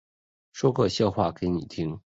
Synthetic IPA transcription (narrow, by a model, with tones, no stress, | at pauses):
ʂwɔ˥kɤ˥˧ɕjɑ˥˧ʊxwa˥˩ke˧˥ɪni˨˩t̪ʰi˥ŋ